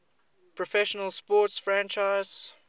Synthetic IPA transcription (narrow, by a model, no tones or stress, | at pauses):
pʰɹɔfɛʃənəlˠspɔːˑtsfɹæ̃nt͡ʃaɪz̥